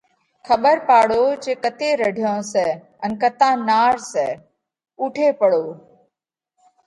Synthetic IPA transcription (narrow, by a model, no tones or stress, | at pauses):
kʰəɓəɾpaːɽoːd͡ʒeːkət̪eːɾəɖʱjõːsɛː | ənkət̪ãːnaːɾsɛː | uːʈʰeːpəɽoː